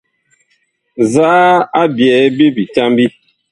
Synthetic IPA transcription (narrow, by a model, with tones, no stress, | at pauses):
zaː˦a˦bjɛ˨˦bi˦bi˨ta˦mbi˦